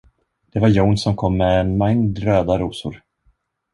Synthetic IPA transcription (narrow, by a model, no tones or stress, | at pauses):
d̪̥ɛvaɾjownsɔmkʰɔmːɛɛnmaŋd̪ɾøːd̪aɾuːsʊɾ